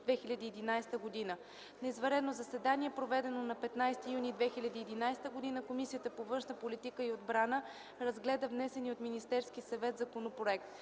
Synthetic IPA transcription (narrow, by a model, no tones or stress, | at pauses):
d̪vɛxilʲɐd̪iːd̪inajst̪əɡod̪inə | nɛizvɐɾɛd̪nozɐsɛd̪aniɛpɾovɛd̪ɛnonɐpɛt̪najst̪ijunid̪vɛxilʲɐd̪iːd̪inajst̪əɡod̪inəkomisijət̪əpovɤnʃnəpolit̪ikəiod̪bɾanə | ɾɐzɡlɛd̪əvnɛsɛniot̪minist̪ɛɾskisɐvɛt̪zɐkonopɾoɛk̚t̪